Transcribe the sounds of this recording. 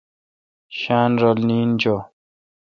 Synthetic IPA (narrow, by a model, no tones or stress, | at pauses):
ɕaːnɾɔlniːnd͡ʑo